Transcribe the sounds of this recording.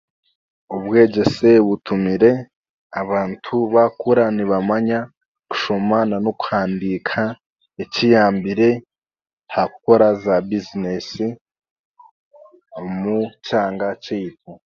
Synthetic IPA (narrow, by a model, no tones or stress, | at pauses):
uβɡe̞ːɟe̞se̞βutʰumiɾe̞ | aβaːntʰuβakuɾaniβamaɲa | ku̥ʃo̞mananoku̥haːndikʰa | ecijaːmbiɾe̞ | hakuko̞ɾazabizinesi | omucaːŋɡat͡ʃiːt̚ʰo